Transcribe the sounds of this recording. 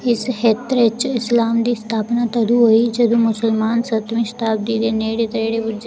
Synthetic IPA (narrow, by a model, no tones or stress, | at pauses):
ɪshet̪ɾet͡ʃɪslaːmd̪iːst̪ʰaːpnat̪ɐd̪uɦoid͡ʒɐd̪ũmʊsəlmaːnsɐt̪miʃt̪aːb̚d̪iːd̪eneːɽet̪ɾeːɽebud͡ʒ